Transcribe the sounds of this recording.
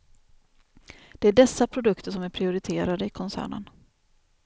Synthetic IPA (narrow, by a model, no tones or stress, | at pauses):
d̪̥ɛæɖɛsːapʰɾʊd̪ɵkt̪ʰəʂɔmæɾpʰɾɪʊɾɪt̪ʰeːɾad̪əɪkʰɔnsæ̰ːɳə̰n